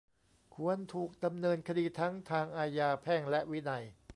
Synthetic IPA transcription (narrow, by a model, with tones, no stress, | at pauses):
kʰu˧ənt̪ʰuː˨˩k̚da˧mnɤː˧nkʰa˧diː˧t̪ʰa˦˥ŋt̪ʰaː˧ŋʔaː˧jaː˧pʰɛː˥˩ŋlɛ˦˥ʔwi˦˥na˧j